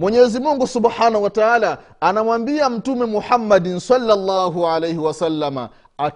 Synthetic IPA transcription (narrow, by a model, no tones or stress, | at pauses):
mwɛɲɛzimuŋɡusubħaːnahuwataʕaːla | anamwambiam̩tumɛmuħamːadinsalːalːaːɦuʕalejhiwasalːama̰ | a